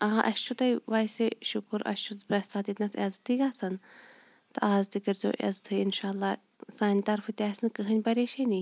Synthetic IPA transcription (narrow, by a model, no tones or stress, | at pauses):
aaʔɐʃt͡ʃʰut̪ɐjʋaːseʃʊkɾɐ̰st͡ʃʰubɾɐsaːt̪it̪nɐsɐzt̪iɡaːsɐn | t̪ɨʔaːzt̪ikɐɾʲzo̰ːʔɐ̰zt̪ʰɨinʃaːlːaː | saːnʲt̪ɐɾfɨt̪ʲaːsʲnkɨɦɨnʲbɐɾʲeːʃeni